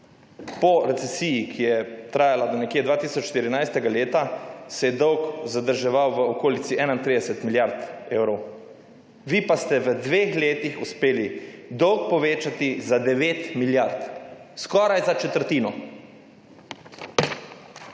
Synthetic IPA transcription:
pɔɾɛt̪sɛsiːjikʰijɛt̪ɾaːjalad̪ɔnɛkjed̪ʋaːt̪iːsɔt͡ʃʃt̪iɾinajst̪ɛɡaleːt̪asɛjɛd̪ɔwkzad̪əɾʒɛʋawʋəokoːlit̪siɛːnaint̪ɾid̪ɛsɛt̪miljaɾt̪ewɾɔw | ʋiːpast̪ɛʋəd̪ʋexleːt̪ixuspeːlid̪ɔwk̚pɔʋeːt͡ʃat̪izad̪ɛʋeːt̪miljaɾt̪skɔːɾajzat͡ʃɛt̪əɾt̪iːnɔ

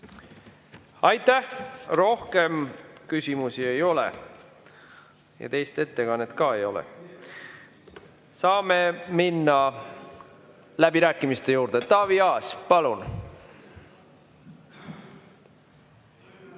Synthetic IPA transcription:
ɑjt̪ːˑæhro̞hke̞mkysʲimusie̞jo̞lɛ̰ | jɑ̰t̪e̞jst̪e̞t̪ːe̞kɑnːet̪kɑːe̞jo̞lɛ̰ | sɑːmeminːɑ | læb̥iɾæːkːˑimist̪e̞juːɾd̪̥e̞t̪ɑːviɑːspɑlun

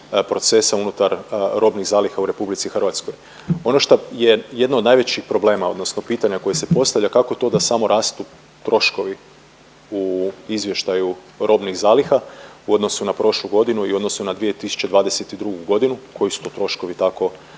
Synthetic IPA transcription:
pɾo̞t̪se̞saunut̪aɾɾʔo̞bniɣzaːlixauɾe̞publit̪sixrʋat̪sko̞j | o̞noʃt̪oje̞je̞d̪naod̪najʋet͡ɕixpɾo̞ble̞ːmao̞d̪no̞sno̞piːt̪aɲako̞jese̞po̞st̪aʋʎakako̞t̪o̞d̪asamo̞ɾʔaːst̪u | t̪ɾo̞ʃko̞ʋi | uizʋjeʃt̪aju | ɾʔo̞bniɣzaːlixauo̞d̪no̞sunapɾo̞ʃlˠuɡo̞d̪inuio̞d̪no̞sunad̪ʋijet̪isu̥t͡ɕe̞d̪ʋaːd̪eset̪id̪ɾuɡuɡo̞d̪inukʰo̞jisu̥t̪ot̪ɾo̞ʃko̞ʋit̪ako̞

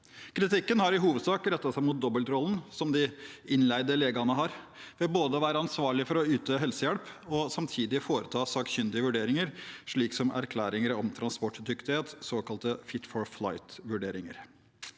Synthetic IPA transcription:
kʰɾɪt̪ʰɪkːənhɑɾɪɦuːʋəd̪sɑːkɾɛt̪ːɑt̪sæɪmʊt̪̚d̪ɔbəlt̪ɾɔlːn̩sɔmd̪ɪɪnlæɪd̪əleːɡɑnəɦɑɾ | ʋɪlboːd̪əɔʋæːɾəɑnsʋɑːɭɪfɔɾɔʉːt̪̚d̪øːɦɛlsəjɛɽpɔsɑmt̪ʰiːd̪ɪfoːɾət̪ʰɑːsɑːkɕʏnd̪ɪəʋʉɖeːɾɪŋəɾʂɭiːksɔmʔæ̰ɾkʰlæːɾɪŋəɾɔmt̪ʰɾɑnspɔʈːd̪ʏkt̪ɪheːt̪soːkɑlt̪əfɪt̪fɔɹfla̰ɪt̪ʋʉɖeːɾɪŋə̰ɾ

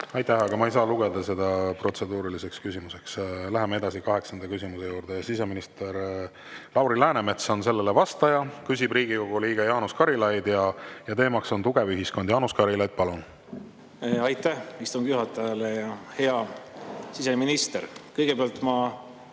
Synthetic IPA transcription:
ɑjt̪æhɑɡ̥ɑmɑejs̬ɑːluɡ̥e̞d̪ɑse̞d̪̥ɑpro̞t̪se̞d̪uːɾilise̞kskysimuse̞kslæɦemee̞d̪̥ɑsikɑɦe̞ksɑnd̪̥ɑkysʲimuse̞juːɾd̪̥ejɑsise̞minist̪eɾ | lɑwɾilæːneme̞t̪sonse̞lːele̞vɑst̪ɑjɑkys̬ʲibriːɡiko̞ɡ̥uliːɡ̥ɑjɑːnuskɑɾilɑjd̪̥jɑjɑt̪e̞ːmɑkso̞nt̪uɡ̥e̞vyɦisko̞nd̪̥jɑːnuskɑɾilɑjd̪̥̚pɑlun | ɑjt̪æhist̪uŋɡ̥juɦɑt̪ːˑɑjɑlejɑhe̞ɑ | sise̞minist̪eɾkɤjɡebeɑlt̪mɑ

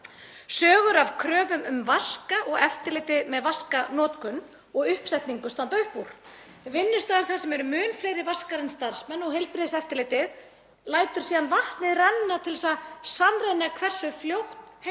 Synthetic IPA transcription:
sœːɣʏɾav̥kʰɾœːvʏmʏmvaskaʔɔɣɛft̪ɪɾlɪːt̪ɪðmɛðvaskanɔːt̪kʏn | ɔɣʏhpsɛjht̪niŋkʏst̪ant̪œɥhpuɾ̥ | vɪnːʏst̪aːðɪmθasɛmɛɾʏmʏːnflejɾɪvaskaɾɪnst̪aɾ̥smɛnːɔɣɦejlpɾɪðɪsɛft̪ɪɾlɪːt̪ɪð | laːjt̪ʏɾ̥siːðanvaht̪nɪðrɛnːat̪ʰɪlsaðsanrenakʰvɛr̥sʏfljowht̪h

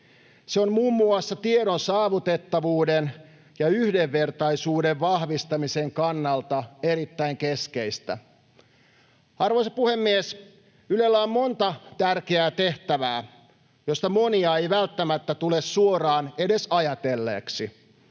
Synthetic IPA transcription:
seommuːmːuɑsːɑt̪ieɾonsɑːʋut̪et̪ːɑʋuːden | jɑyhdeʋːert̪ɑisuːdeʋʋɑhʋist̪ɑmiseŋkɑnːɑlt̪ɑeɾit̪ːæiŋkeskeist̪æ | ɑrʋoisɑpuhemːies | ylelːæommo̞nt̪ɑt̪ærkeæːt̪eht̪æʋæː | jost̪ɑmo̞niɑejʋælt̪ːæmæt̪ːæt̪ulessuorɑːne̞desɑjɑt̪elːḛːksi

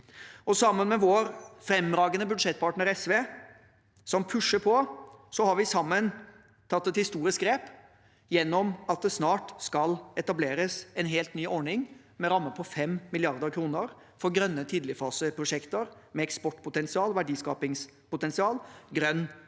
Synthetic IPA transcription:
ɔsɑmːənmɛʋoːɾfɾɛmɾɑːɡənəbʉd̪ʂɛt̪̚ːpɑʈnəɾɛsʋeː | sɔmpʰʉʂəpʰɔsɔhɑɾʋɪsɑmːən | t̪ʰɑt̪ːɛt̪hɪst̪uːɾɪsɡɾeːp | jɛnːɔmɑt̪̚d̪ɛsnɑːʈskɑlɛt̪ɑbleːɾəsɛnɦeːlt̪nyːʔɔɳɪŋ | mɛɾɑmːəpʰɔfɛmmɪlɪɑɾd̪əɾkʰɾuːnəɾ | fɔɾɡɾœnːət̪ʰiːd̪lɪfɑːsəpʰɾʊʂɛkt̪əɾmɛɛkspɔʈpʰʊt̪ɛnsɪɑːlʋæɖiːskɑ̰ːpɪŋspʊt̪ɛnsɪɑːlɡɾœnː

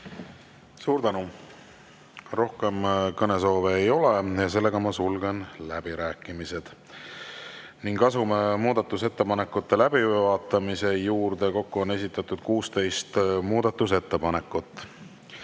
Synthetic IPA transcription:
suːɾd̪ænu | ro̞hke̞mkɤne̞s̬o̞ːveːjo̞lejɑs̬e̞lːe̞ɡ̥ɑmɑsulɡe̞nlæb̥iɾæːkːˑimise̞d̪̥ | niŋɡɑsumemuːd̪̥ɑt̪ːˑuse̞t̪ːe̞pɑne̞kːut̪ːe̞læb̥ivɑːt̪ːˑɑmise̞juːɾd̪̥e̞ko̞kːuo̞ne̞s̬ʲit̪ːˑɑt̪ːˑud̪̥kuːst̪e̞jst̪muːd̪ɑt̪ːˑuse̞t̪ːe̞pɑne̞kːˑut̪ˑː

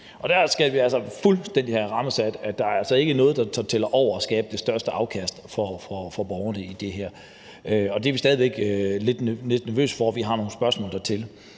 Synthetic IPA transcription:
ʔɒ̽d̥æɐsɡ̥æʋiælsɐfulsd̥en̰d̥ihæʁɑ̈məsæd̥æd̥ɑ̈æælsɒ̽e̝ɡ̥ənɔ̽ːð̞̩ˠd̥ɑ̈t͡sʰɑt͡sʰelɐʔɒʊ̰ɐɒsɡ̥ɛ̰ːb̥əd̥e̝sd̥ɶɐsd̥əʔɑ̈ʊkʰæsd̥fɒfʁɒfɒ̽b̥ɒʊɐnəid̥e̝ɦæɐ̰ | øɒ̽d̥e̝æɐʋisd̥ɛːðˠʋeɡ̥le̝d̥nne̝d̥næɐʋø̰ːsfɒʋiɦɑ̈no̝ːn̩sb̥ɶɐsmɔ̰ːld̥ɑt͡sʰe̝l

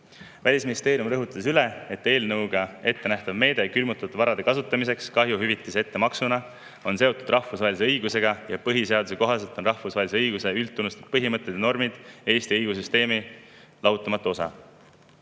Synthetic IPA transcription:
vælʲisminist̪e̞ːɾijumrɤɦut̪ːˑɑs̬yle̞e̞t̪ːe̞ːlnɤwɡ̥ɑe̞t̪ːe̞næht̪ɑvme̞ːd̪e̞kylmut̪ːˑɑt̪ːˑuvɑɾɑd̪e̞kɑsut̪ːˑɑmis̬e̞kskɑɦjuɦyvit̪ːˑise̞t̪ːe̞mɑksunɑ | o̞nse̞o̞t̪ːˑud̪̥rʔɑhfusvɑhɦelʲiseɤjɡuse̞ɡ̥ɑjɑpɤɦise̞ɑd̪̥use̞ko̞ɦɑse̞lt̪ːˑonrɑhfusɑɦelis̬eɤjɡ̥use̞ylt̪ːˑunust̪ed̪̥̚pɤɦimɤt̪ːˑet̪ːno̞rmid̪̥e̞ːst̪iɤjɡ̥us̬yst̪e̞ːmi | lɑwt̪ːˑɑmɑt̪ːˑuo̞sɑ̰

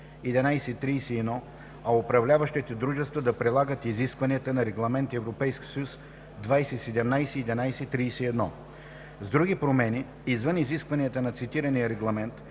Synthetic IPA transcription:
ɛd̪inajsɛit̪ɾiːsɛɛd̪nɔ | ɐopɾɐvlʲavɐʃt̪it̪ɛd̪ɾuʒɛst̪vəd̪ɐpɾɛlˠaɡət̪iziskvɐniət̪ənɐɾɛɡlˠɐmɛnt̪ɛvɾopɛjskʲi̥sɐjus | d̪vajsɛsɛd̪ɛmnajsɛːd̪ɛnajsɛt̪ɾijsɛɛd̪nɔ | zd̪ɾuɡipɾomɛni | izvɤniziskvɐniət̪ənɐt̪sit̪iɾɐniəɾɛɡlˠɐmɛnt̪

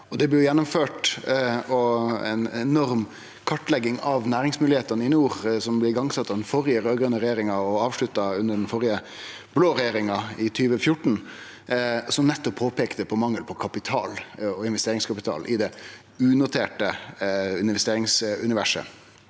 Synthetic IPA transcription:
ɔd̪ɛblɪjʊjɛnːʊmføːʈ | ɔɛ̰nɛnɔɾm | kʰɑʈːlɛɡːɪŋɑʋnæːɾɪŋsmʉːlɪheːt̪ɑnəɪnːuːɾsɔmblɪɪɡɑŋsɑt̪ːɑʋd̪ɛnfɔɾɪəɾøːɡɾœnəɾɛjeːɾɪŋɑɔɑːʋʂlʉt̪ːɑʉnːəɖɛnfɔɾɪə | b̥loːɾɛjeːɾɪŋɑɪt̪ʰyːʋəfjʊʈːɳ̩ | sɔmnɛt̪ːɔpʰːoːpeːkt̪əpʰɔmɑŋːəlpʰɔkʰɑpɪt̪ʰɑ̰ːlɔɪnʋɛst̪eːɾɪŋskʰɑpɪt̪ʰɑ̰ːlʔɪd̪ɛ | ʉːnʊt̪ʰeːʈəʉnɪʋɛst̪eːɾɪŋsʉnɪʋæʂə̰

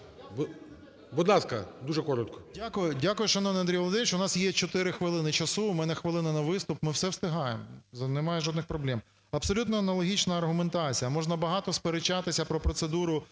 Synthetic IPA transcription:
b | bʊd̪lˠɑskɐd̪uʒɛkɔɾɔt̪kɔ̥dʲakʊjʊdʲakʊjʊʃɐnɔʋniɐnd̪ɾʲijɔlˠd̪ɪnʲɪt͡ʃʊnɑsjɛt͡ʃɔt̪ɪɾɪxʋɪlˠɪnɪt͡ʃɐsumɛnɛxʋɪlˠɪnɪnɐʋɪst̪ʊpmɪwsɛwst̪ɪɦɑjḛmɔznemɑjɛʒɔd̪nɪxpɾɔblʲɛm | ɐpsɔlʲut̪nɔɐnɐlˠɔɦʲit͡ʃnɐːrɦʊment̪ɑt͡sʲijɐmɔʒnɐbɐɦɑt̪ɔspeɾet͡ʃːɑt̪ɪsʲɐpɾɔpɾɔt̪sed̪uɾʊ

